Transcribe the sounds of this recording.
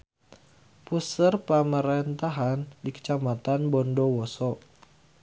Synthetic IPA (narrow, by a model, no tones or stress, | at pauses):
pusərpəməɾent̪aɦandikə̥t͡ʃamat̪anbɔndɔwɔsɔ